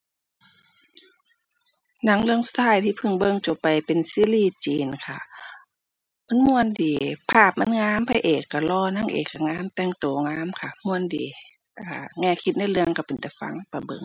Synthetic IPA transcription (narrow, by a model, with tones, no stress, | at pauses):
na˧˥˩ŋlɯ˧əŋsu˧˦t̪ʰːaː˧˩jt̪ʰiː˧˨pʰɯ˧˩ŋbɤ˧˨ŋt͡ɕo˨˧˩pːa˨jpe˨nsiː˧˥˨liː˧˨t͡ɕiː˨nkʰa˧˩ | ma˧˥˨nmu˧˨ə˨ndiː˨˦pʰaː˧˩p̚ma˧˥˨nŋaː˧˥˨mpʰa˧˨ʔeː˨˩kːa˧˩lɔː˧˩˨na˧˥ŋʔḛː˨˩kːa˧˩ŋaː˧˥˨mt̪ɛː˧˨ŋt̪oː˨˩ŋaː˧˥˨mkʰa˧mu˧˨ə˨ndiː˨˦ | ʔaː˧˩ŋɛː˧˩˨kʰi˧t̪̚na˧˩jlɯ˧əŋka˧˩pe˨nt̪ɛ˧˩fa̰˧˥˨ŋ˧pa˨˧˩bɤ̰˧˨ŋ